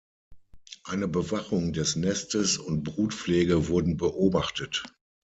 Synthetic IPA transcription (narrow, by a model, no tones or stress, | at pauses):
ʔaɪnəbəvaχʊŋdɛsnɛstəsʊntb̥ʁuːtfleːɡəvʊɐdn̩bəʔoːbaχtət